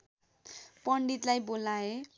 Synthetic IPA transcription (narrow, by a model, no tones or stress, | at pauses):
pʌɳɖit̪lajbolae